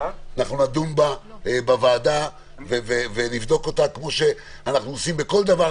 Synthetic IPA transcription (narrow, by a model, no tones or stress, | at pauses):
anaχnunad̪unba | bavaːd̪a | vevevenivd̪o̞ko̞t̪akmo̞ʃe̞ | anaχnuosimbeko̞ld̪ava